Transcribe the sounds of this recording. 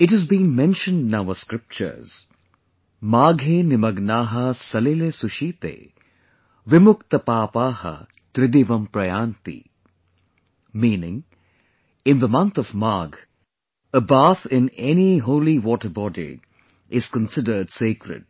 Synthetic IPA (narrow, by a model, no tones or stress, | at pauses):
ɪʈɦəzbĩːnmɛ̃nʃə̃nɖnaʋəskɾɪp̚t͡ʃə̰ɾz̥ | maːɡʱeːnɪmɐɡnaːɦɐsɐlelesʊʃiːt̪ḛː | ʋɪmʊkt̪əpaːpaːhɐ̰ | t̪ɾɪd̪iʋɐ̃mpɾɐjaːnt̪ḭ | mĩːnɪ̃ŋ | ɪ̃nd̪əmɐ̃nt̪ʰɔvmaːɡ | əbaːt̪ʰɪ̃nɛniɦoːliʋɔːʈəbɔːdḭ | ʔɪz̥kə̃nsɪdəɖseːkɾɪ̰d̚